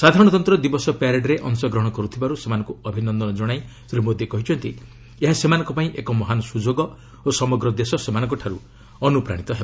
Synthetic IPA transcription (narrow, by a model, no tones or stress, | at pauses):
sad̪ʱaɾɔɽ̃ɔt̪ɔnt̪ɾɔd̪ibɔsɔpaɾeɖɾeʔɔŋsɔɡɾɔɦɔɽ̃ɔkɔɾut̪ʰibaɾusemanɔŋkuɔbʱinɔnd̪ɔnɔd͡ʒɔɽ̃aisɾimod̪ʱjekɔɦit͡ʃʰɔnt̪i | eɦasemanɔ̃ŋkɔpaĩʔekɔmɔɦanɔsud͡ʒoɡɔ | osɔmɔɡɾɔd̪esɔsemanɔ̃ŋkɔʈʰaɾu | ɔnupɾa̰ɽ̃it̪ɔɦeb